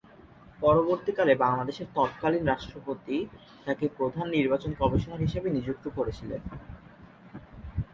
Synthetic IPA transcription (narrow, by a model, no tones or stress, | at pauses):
pɔɾoboɾt̪ikalebaŋlad̪eʃeɾt̪ɔb̚kalinɾaʃʈɾopot̪i | t̪akepɾod̪ʱanːiɾbat͡ɕonkɔmiʃonaɾɦiʃabenid͡ʑuk̚t̪okoɾet͡ɕʰilen